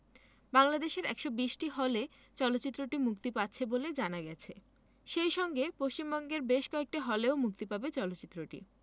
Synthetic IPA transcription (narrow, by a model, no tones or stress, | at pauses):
baŋlad̪eʃeɾɛ̰kʃobiʃʈiɦɔle | t͡ɕɔlot̪ːɕit̪ːɾoʈimuk̚t̪ipat̪ːt͡ɕʰeboled͡ʑanaɡɛt͡ɕʰe | ʃejʃɔŋɡepoʃt͡ɕimbɔŋɡeɾbeʃkɔek̚ʈiɦɔleomukt̪ipabet͡ɕɔlotːɕit̪ːɾoʈḭ